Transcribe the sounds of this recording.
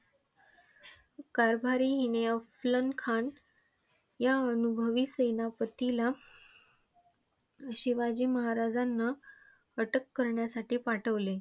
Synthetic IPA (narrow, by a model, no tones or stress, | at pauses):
kaɾbʱaɾiːɦineəflənkʰan | jaənubʱəʋiːsəjnapət̪ila | əɕiʋad͡ʑiːməɦaɾad͡zanːa | əʈəkːəɾɳjasaʈiːpaʈʰəʋle